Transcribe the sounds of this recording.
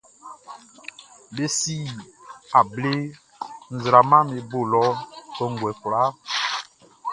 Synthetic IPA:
be˦si˦a˨ble˦ | n̩˨zɾa˨mã˦me˨bo˦˨lɔ˦kɔ˦ŋ˨ɡwɛ˨fla˦

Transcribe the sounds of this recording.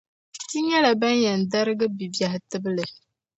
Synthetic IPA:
ti˦ɲɛ˦la˨ba˦njɛ˨n̩˨da˦ɾɨ˦ɡɨ˦bi˨bja˨htɨ˦bɨ˦lɨ˨

